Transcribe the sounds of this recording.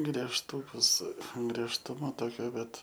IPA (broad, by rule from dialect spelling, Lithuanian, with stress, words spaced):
ɡrʲiɛʃˈtuːkʊs ɡrʲiɛʃˈtʊmɐ ˈtoːkʲoː ˈbʲɛt